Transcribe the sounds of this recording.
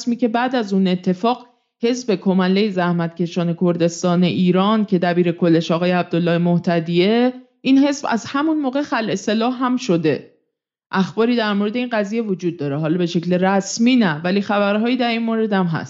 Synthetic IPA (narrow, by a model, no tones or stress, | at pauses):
smiːce̞bæːd̪æzuːne̞t̪ʰːe̞fɒːɢ | he̞sbe̞kʰomælːejezæhmæt̪̚cʰʲe̞ʃɒːne̞kʰo̞ɾd̪e̞st̪ɒːne̞ʔiːɾɒːncʰe̞d̪æbiːɾe̞kʰo̞lːe̞ʃɒːɣɒːjeæb̚d̪olːɒːhemoht̪ʰæd̪ie̞ | ʔinhe̞sbæ̰zhæmunmoːɣexælʔe̞se̞lɒːhːæmʃo̞d̪e̞ | ʔæxbɒːɾiːd̪æɾmoɾe̞d̪e̞inɢæziːje̞vod͡ʒuːd̪̚ːɒːɾe̞ɦɒːlɒbe̞ʃe̞cleɾæsmiːnævæliːxæbæɾɦɒːjiːd̪æɾinmoɾe̞d̪æmɦæ̰st̪